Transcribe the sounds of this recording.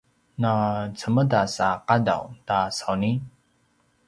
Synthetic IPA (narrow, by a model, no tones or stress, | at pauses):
nat͡səmədasaqada̰wtasawni